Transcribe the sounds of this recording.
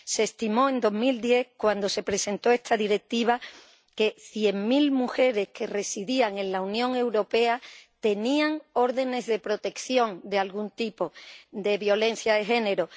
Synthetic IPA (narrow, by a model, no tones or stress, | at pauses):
seːst̪imo̞e̞nd̪o̞ɦmild̪je̞hkwand̪o̞se̞pɾe̞se̞nt̪o̞e̞st̪aðiɾe̞k̚t̪iβ̞a | ke̞θje̞ŋmilmuxe̞ɾe̞hke̞re̞siðiaŋe̞nlaunjõ̞ŋe̞wɾo̞pe̞at̪e̞niaŋo̞ɾðe̞ne̞zðe̞pɾo̞t̪e̞kθjo̞ŋd̪e̞alɣunt̪ipo̞d̪e̞βjo̞le̞n̟θjaðe̞xe̞ne̞ɾo